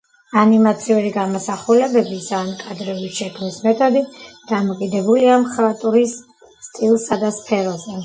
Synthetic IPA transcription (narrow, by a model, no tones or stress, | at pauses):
animat̪sʰiuɾiɡamɔsaχulɛbɛbizankʼad̪ɾɛbiʃɛkʰmismɛt̪ʼʰɔd̪id̪̥amɔkʼid̪ɛbuliamχɾat̪ʼuɾisː | t̪ʼilˠsad̪aspʰɛɾɔzɛ